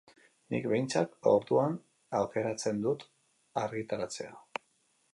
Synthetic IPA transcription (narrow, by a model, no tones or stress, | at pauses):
nḭkbejnt͡sako̞ɾðuan | awke̞ɾat͡se̞nd̪ut̪ | aɾɣit̪aɾat͡se̞̰a